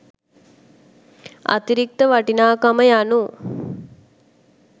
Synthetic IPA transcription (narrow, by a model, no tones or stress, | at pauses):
a̰t̪iɾik̚t̪əʋaʈinaːkaməjanu